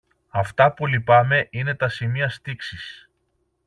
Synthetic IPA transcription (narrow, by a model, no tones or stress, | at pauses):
ɐft̪ɐpulipɐme̞ʔine̞t̪ɐsimiɐst̪iksis